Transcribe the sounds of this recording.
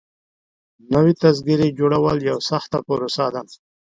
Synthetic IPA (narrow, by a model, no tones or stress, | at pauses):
nəwet̪azɡiɾed͡ʒoɽawəljawsaxt̪apəɾosad̪a